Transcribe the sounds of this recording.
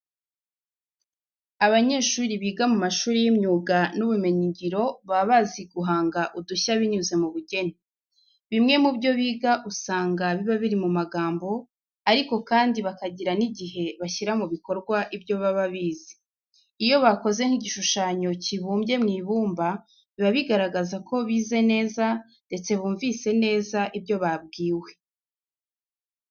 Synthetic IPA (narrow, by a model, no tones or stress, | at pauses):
aβaɲe̞ːʃuːɾiβiːɡamumaʃuːɾijimɲuːɡanuβume̞ɲiɲɟiɾo̞βaβaziɡuɦaːŋɡaʔuduçaβiɲuze̞muβuɟe̞ni | βimŋe̞mubjo̞βiːɡaʔusaːŋɡaβiβaβiɾimumaɡaːmbo̞ | aɾiko̞kaːndiβakaɟiɾaniɟiɦe̞βaçiɾamuβiko̞ɾɡwaʔibjo̞βaβaβiːz̥e̥ | ijo̞βako̞ze̞ŋhiɟiʃuʃaːɲo̞ciβuːmbje̞mŋiːβuːmba | βiβaβiɡaɾaɡazakʰo̞βiːze̞ne̞ːza | nde̞t͡se̞βuːɱvise̞ne̞ːzaʔibjo̞βab̚ɡiːwe̞̥